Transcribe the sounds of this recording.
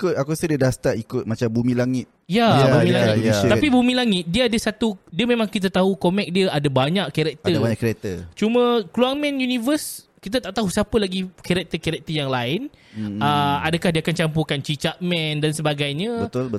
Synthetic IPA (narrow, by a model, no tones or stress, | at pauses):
kʊt̪akusədiədast̪aɾikʊt̪̚mat͡ʃambumĩlaŋɪt̪̚jajbumilaŋɪtj̪apibumĩlaŋɪt̪̚diəadəsat̪udiəmẽmãŋkit̪̬at̪aɦukomɛk̚diəʔadabaɲaʔkɛɾɛk̚t̪əabaɲakɾɛk̚t̪ət͡ʃumə̃kluaŋmɛ̃njunĩvəs | kit̪̬at̪aʔt̪aɦusapəlaɡikɛɾɛk̚t̪əkɛɾɛk̚t̪əjaŋlaɪnəadakahdiəakant͡ʃampukant͡ʃit͡ʃaʔ̚mɛ̃ndansəbaɡajɲə̃bət̪b